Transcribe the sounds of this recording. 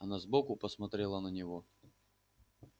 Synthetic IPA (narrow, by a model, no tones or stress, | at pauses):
ɐnazbokʊpəsmɐt̪ɾʲɛlˠənənʲɪvo